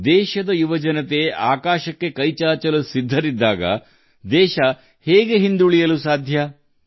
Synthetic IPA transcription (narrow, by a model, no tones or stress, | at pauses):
d̪ɛːʃɐd̪ɐjuʋɐd͡ʒɐnɐt̪e̞aːkaːʃɐkːe̞kɐjt͡ʃaːt͡ʃɐlusid̪ʱːɐɾid̪ːaːɡɐ̰ | d̪ɛːʃɐ | hɛːɡe̞ɦind̪uɭijɐlusaːd̪ʱjɐ